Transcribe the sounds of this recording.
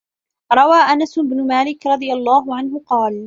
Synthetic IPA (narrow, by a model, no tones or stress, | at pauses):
ɾˤɑwaːʔanasɪbnʊmaːlɪkɾˤɑd̪ˤɨjalˤːaːɦʊʕanɦʊqɑːl